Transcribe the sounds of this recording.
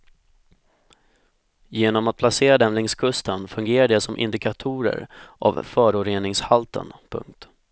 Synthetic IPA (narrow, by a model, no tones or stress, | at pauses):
jeːnɔmat̪̚pʰlaseːɾad̪ɛmlɪŋskʰɵst̪ənfɵŋɡeːɾaɖɛsɔmʔɪ̰nd̪ɪkʰat̪ʰuːɾə̰ɾʔa̰vfœːɾʊɾeːnɪŋshalt̪ʰə̰npʰɵ̰ŋk̚t̪